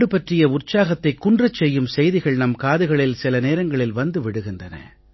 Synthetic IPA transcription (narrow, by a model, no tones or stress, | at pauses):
ɽɯpɐʈrɪjɐʊrt͡ʃaːɣɐt̪ːɐɪkːʊndrɐt͡ʃːɛjːɯmsɛjðɪɣɐɭnɐmkaːðɯɣɐɭɪlsɪlɐneːɾɐŋɡɐɭɪlʋɐnd̪ɯʋɪɽɯɣɪndɐnɐ̰